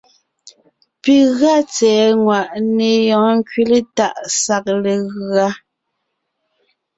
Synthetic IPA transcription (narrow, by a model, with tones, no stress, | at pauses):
pi˨ɣɰa˦˨t͡sɛː˨˦ŋwa˨ʔne˨jɔ̃ː˨˦ŋ̩˦kɥi˦le˦ta˦˨ʔsa˦k̚le˨ɣɰa˦